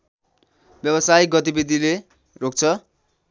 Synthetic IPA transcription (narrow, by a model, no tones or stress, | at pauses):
bjʌbʌsajiɡʌt̪ibid̪ʱile | rok̚t͡sʰʌ